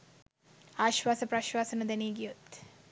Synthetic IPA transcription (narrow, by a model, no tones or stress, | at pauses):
aːʃʋaːsəpraʃʋaːsənəd̪ɛneːɡijot̪